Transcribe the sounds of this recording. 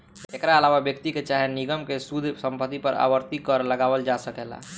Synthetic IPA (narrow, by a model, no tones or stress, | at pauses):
ekɾaəlaʋabjəkt̪iket͡ʃaɦeniɡəmkesud̪ʱsəmpət̪ːipəɾa̰bəɾt̪ikəɾləɡawəld͡ʒasəkɛla̰